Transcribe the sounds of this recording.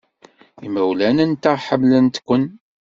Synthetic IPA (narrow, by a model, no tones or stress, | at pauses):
iməwlænænt̪aʁħəmlənt̪kʷːən